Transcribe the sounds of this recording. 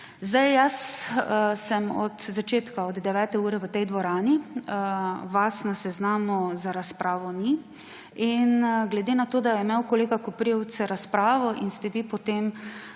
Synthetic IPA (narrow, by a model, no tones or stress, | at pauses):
zd̪ajjas | sɛmɔ̰d̪zat͡ʃeːt̪kaɔd̪d̪ɛʋɛːt̪ɛuːɾɛʋət̪ɛjd̪ʋɔɾaːni | ʋasnasɛznaːmɔzaɾaspɾʔaːʋɔni | inɡlɛd̪eːnat̪oːd̪ajɛmewkoleːɡakɔpɾiw̪t͡s̪ɛɾaspɾaːʋɔʔinst̪ɛʋipɔt̪em